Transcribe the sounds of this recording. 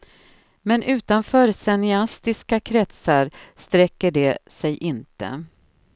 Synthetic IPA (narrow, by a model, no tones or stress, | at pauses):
mɛnʔʉ̟ːt̪anfœːɾsɛnɪast̪ɪskakʰɾɛt̪saɾst̪ɾɛkːəɖɛsɛjʔɪnt̪ə̰